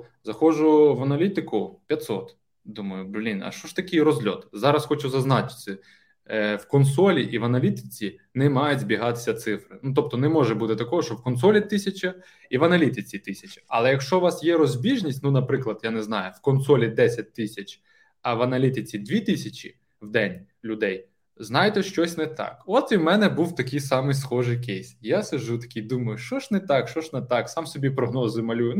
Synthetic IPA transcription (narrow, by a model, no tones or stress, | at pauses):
zɐxɔʒʊʋɐnɐlʲit̪ɪkʊpʲjɐt̪sɔ̰t̪ | d̪umɐjʊblʲinɐ̰ʃt͡ʃɔʃt̪ɐkɪjrɔzʲlʲɔ̰t̪zɑɾɐsxɔt͡ʃʊzɐznɑt͡ʃɪ̥sɪ | wkɔnsɔlʲiʔiʋɐnɐlʲit̪ɪ̥t͡sʲinɛmɑjʊdʲzʲbʲiɦɑt̪ɪ̥sʲɐt̪sɪfɾɪnut̪ɔp̚t̪ɔnɛmɔʒɛbut̪ɪt̪ɐkɔɦɔʃt͡ʃɔwkɔnsɔlʲit̪ɪsʲɐt͡ʃɐ | iʋɐnɐlʲit̪ɪt͡sʲit̪ɪsʲɐt͡ʃʲɐ̥ɐ̰lˠɛjɐkʃt͡ʃɔʋɑsjɛɾɔzʲbʲiʒnʲisʲtʲnunɐpɾɪklˠɐd̪janɛznɑjʊwkɔnsɔlʲid̪ɛsʲɐt̚ʲt̪ɪsʲɐt͡ʃʲ | ɐʋɐnɐlʲit̪ɪt͡sʲid̪ʲʋʲit̪ɪsʲɐt͡ʃʲḭ | wd̪ɛnʲ | lʲʊd̪ɛj | znɑjt̪ɛʃt͡ʃɔsʲnɛt̪ɑ̰kɔt̪iwmɛnɛbuwt̪ɐkʲijsɑmɪjsxɔʒɪjkʲejsʲjasɐʒut̪ɐ̥kʲijd̪umɐjʊʃt͡ʃɔʒnɛt̪ɑkʃt͡ʃɔʒnɛt̪ɑksɑmsɔbʲipɾɔɦnɔzɪmɐlʲujʊn